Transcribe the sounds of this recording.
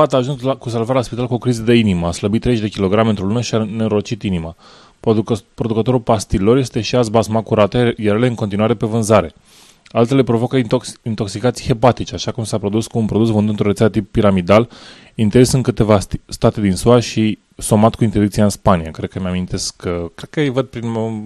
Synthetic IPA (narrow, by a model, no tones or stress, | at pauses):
at̪aʒunskus̬alvaɾelaspit̪alkuo̞kɾizəd̪e̞iniməasləbit̪ːɾezeʃd̪e̞kʲilo̞ɡɾameɨnt̪ɾo̞lunəʃianeɾot͡ʃit̪inima | pɾo̞d̪ukət̪o̞ɾulpast̪ilːo̞ɾje̞st̪e̞ʃiazbasmakuɾat̪əjaɾale̞ɨŋko̞nt̪̬inuwaɾe̞pe̞vɨnzaɾe̞ | alt̪e̞le̞pɾo̞vo̞kəiint̪o̞ksikat̪sijhe̞pat̪it͡ʃeaʃakumsapɾo̞d̪uskuːnpɾo̞d̪usvɨnd̪unt̪ɾoɾesad̪ət̪ipːiɾamid̪al | int̪esɨŋkɨt̪e̞vasst̪at̪e̞d̪insuaʃi | so̞mat̪kuint̪ed̪ikt̪sijaɨnspanijakɾed̪̚kəmeamint̪e̞skʰːəkɾed̪kəjvəd̪̚pɾin